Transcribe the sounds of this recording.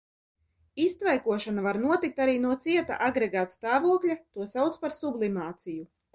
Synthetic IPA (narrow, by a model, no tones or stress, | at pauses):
ist̪vɛjkuɔʃanavaɾnuɔt̪ik̚t̪aɾiːnuɔt̪siɛt̪a̰ʔaɡɾeɡaːt̪st̪aːvuɔklʲat̪uɔsawt̪spaɾsublˠimaːt̪siju